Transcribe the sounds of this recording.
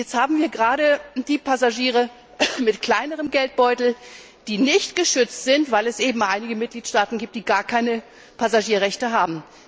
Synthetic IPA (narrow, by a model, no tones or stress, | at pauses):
jɛt͡sthaːbm̩viːɐɡəʁaːɾəd̥iːpʰazaʒiːʁə | mɪtkl̥aɪnəʁəmɡɛlt̚b̥ɔʏtl̩ | d̥iːnɪçtɡ̥əʃʏt͡stz̥ɪntvaɪlɛsʔeːbm̩ʔaɪnɪɡəmɪt̚ɡ̥liːtʃtaːtn̩ɡiːp̚td̥iːɡaːɐkʰaɪnə | pʰazaʒiːɐʁɛçtəɦaːbm̩